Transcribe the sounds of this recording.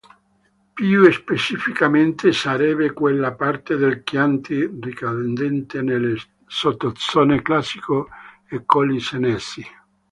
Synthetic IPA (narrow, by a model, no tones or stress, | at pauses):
pjuespet͡ʃifikament̪esaɾɛbekwelːapart̪ed̪elkjant̪ʰirikand̪ɛnt̪enelːe | sot̪ːot̪sɔneklasiko | ekːɔlisenesi